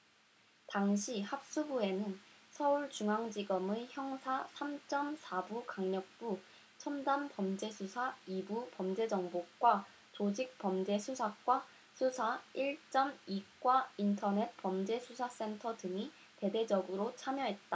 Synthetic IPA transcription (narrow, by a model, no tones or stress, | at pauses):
taŋɕʰihap̚s͈ubue̞nɯnsʰʌuɭt͡ɕuŋaŋd͡ʑiɡʌmɯçjʌŋsʰasʰamt͡ɕ͈ʌmsʰabukaŋɲʌk̚p͈u | t͡ɕʰʌndampʌmd͡ʑe̞sʰusʰaibupʌmd͡ʑe̞d͡ʑʌŋbokk͈wa | t͡ɕod͡ʑik̚pʌmd͡ʑe̞sʰusʰak̚k͈wa | sʰusʰaiɭt͡ɕ͈ʌmik͈waintʰʌne̞t̚pʌmd͡ʑe̞sʰusʰas͈e̞ntʰʌdɯŋi | te̞de̞d͡ʑʌɡɯɾot͡ɕʰamjʌɦe̞t̚t͈a